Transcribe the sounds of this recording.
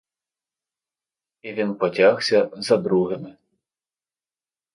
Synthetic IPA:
iʋʲinpɔtʲaxsʲɐzɐd̪ɾuɦɪmɪ

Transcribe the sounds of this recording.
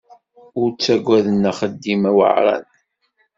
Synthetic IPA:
ʊɾt͡sːæɡʷːæðənːæχəd̪ːimæwə̰ʕɾˤæ̰n

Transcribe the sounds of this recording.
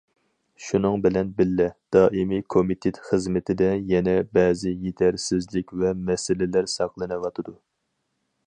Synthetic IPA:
ʃunɨŋbɪlɛnbɪlːɛd̪̥ɑːʔimikʰomit̪ʰet̪χəzmɪt̪ʰɪd̪ɛjɛnɛbɛːzɪjet̪ʰæɾsɪzlɪkʲvɛmɛsɪlɪlæɾsɑqlˠɨnɨwɑt̪ʰɨd̪u

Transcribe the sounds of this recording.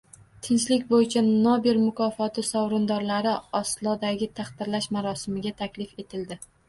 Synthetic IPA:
t̪ʰɪnt͡ʃlɪkʲbojɪt͡ʃʰanɒbiɾmʊkʰɒfɒt̪ʰɪsɒwɾɪnd̪ɒɾlaɾɪɒslˠɒd̪aɡʲɪt̪ʰaχt̪ɪɾlaʃmaɾɒsɪmɪɡʲat̪ʰakʲlɪfe̞t̪ʰɪld̪ɪ

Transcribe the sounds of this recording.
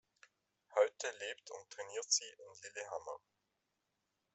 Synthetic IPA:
hɔʏtʰəleːptʰʊ̰nttːʁ̥ɛniːɐtz̥iːʔɪnlɪleɦamɐ

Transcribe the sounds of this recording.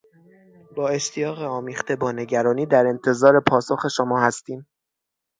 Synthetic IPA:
b̥ɒːe̞ʃt̪ʰijɒːɣeɒːmiːxt̪e̞bɒːne̞ɟæɾɒːniːd̪æɾe̞nt̪ʰe̞zɒːɾe̞pʰɒːsoxe̞ʃomɒːhæst̪iːm

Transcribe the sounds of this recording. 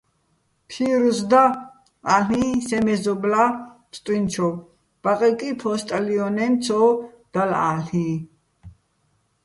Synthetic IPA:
pʰiɾusd̪a | aɬĩsɛmɛzɔblamsʼt̪ʼwint͡ʃʰɔ | b̥aqʼɛkʼipʰɔst̪ʼaliɔnɛmt͡sʰɔːd̪̥ala̰ɬĩ

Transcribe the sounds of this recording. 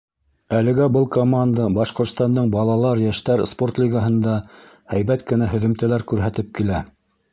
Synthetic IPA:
ælɘ̆ɡæbɤlˠkomand̪əbɑʃqŏɾt̪st̪ɑnd̪ɤɴbɑlˠɑlˠɑɾjæʃt̪æɾspo̞rt̪lʲiɡaɦɤ̆nd̪ɑ | hæjβæt̪̚kɘ̆næɦɵ̆ðɵ̆mt̪ælæɾkʉɾɦæt̪ɘp̚kilæ

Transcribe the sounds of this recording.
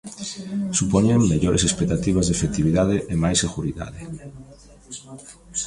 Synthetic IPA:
supoɲeŋmeʎoɾesespek̚t̪at̪iβazðefekt̪iβiðaðɪʔemajseɣuɾiða̰ðɪ

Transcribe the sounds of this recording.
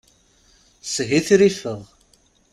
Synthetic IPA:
sɦiθɾifəðˤ

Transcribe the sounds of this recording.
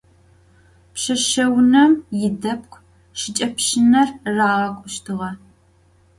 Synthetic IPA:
pɕɐʃɐwnɐmjɪdɐp̚kʷʰʼ | ʃɪt͡ʃʼɐpɕɪnɐrraːʁɐkʷʼʊʃtʰɨʁɐ

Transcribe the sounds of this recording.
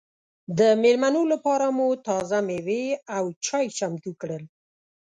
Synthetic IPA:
d̪əmelmanolapɑɾamut̪ɑzameweawt͡ʃɑjt͡ʃamt̪ukɽəl

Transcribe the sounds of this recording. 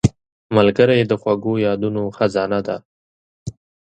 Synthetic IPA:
malɡəɾajed̪əxwaɡojɑd̪unoxazɑnad̪a̰

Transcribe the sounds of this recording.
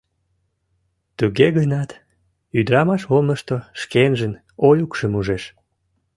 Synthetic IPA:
t̪yɣeɣənɑt̪ | yd̪ɾɑmɑʃomnəʃt̪oʃkenʒən | ojukʃəmuʒeʃ

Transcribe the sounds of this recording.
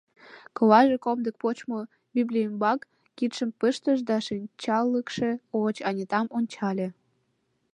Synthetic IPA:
kolɑʒekomd̪ək̚pot͡ɕmo | biblʲijəmbɑkː | it̪ʃəmpəʃt̪əʒd̪ɑʃinʲt͡ɕɑlːəkʃeot͡ɕɑnʲet̪ɑmonʲt͡ɕɑlʲe

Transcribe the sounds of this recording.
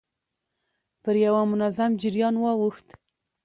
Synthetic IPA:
pəɾjawamʊnazamd͡ʒɪɾjɑnwɑwuxt̪

